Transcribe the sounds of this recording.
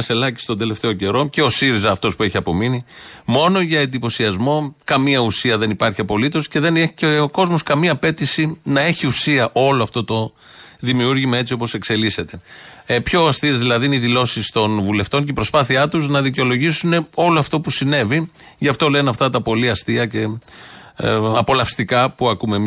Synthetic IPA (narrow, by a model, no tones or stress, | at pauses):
ɐse̞lɐci̥st̪od̪e̞le̞ft̪e̞oce̞ɾo̞ce̞o̞siɾizɐːft̪o̞spue̞çiɐpo̞minimo̞no̞ʝɐend̪ipo̞siɐzmo̞kɐmiɐusiɐðe̞nipɐɾçiɐpo̞lit̪o̞sce̞ðe̞neçiceoko̞zmo̞skɐmiɐːpe̞t̪isinɐe̞çiusiɐʔo̞loɐft̪o̞t̪o̞ | ðimiuɾʝimɐe̞t͡sio̞po̞se̞kse̞lise̞t̪epço̞ɐst̪iezðilɐðiniðilo̞sist̪o̞nvule̞ft̪o̞ncepɾo̞spɐθiɐt̪uznɐðiceo̞lo̞ʝisune̞o̞loɐft̪o̞pusine̞vi | ʝɐft̪o̞le̞nɐft̪ɐt̪ɐpo̞liɐst̪iɐce̞ | ɐpo̞lɐfst̪ikɐpuɐkume